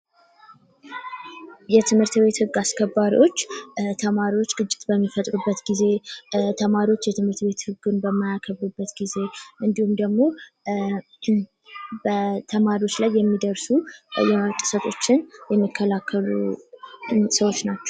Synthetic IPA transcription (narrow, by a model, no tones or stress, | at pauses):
jɛt̪ʰɨmhɨɾt̪be̞t̪hɨɡːaskʰəbːaɾḭo̞t͡ʃːt̪ʰəmaɾiwo̞t͡ʃːɡɨt͡ʃʼːɪ̥t̪bəmːifət̪ʼɾubːət̪ɡize̞t̪ʰəmaɾiwo̞t͡ʃːjɛt̪ʰɨmhɨɾt̪be̞t̪hɨɡːɨnbəmːajakʰəβːubːət̪ɡize̞ʔɨnd̪ihumd̪əɡmo̞ | bət̪ʰəmaɾio̞t͡ʃːlajːɛmːid̪əɾsujɛt̪ʼɨ̥sət̪ʰo̞t͡ʃːɪnjɛmːikʰːəlakʰːəlu | səwo̞t͡ʃːnat͡ʃːɛ̥w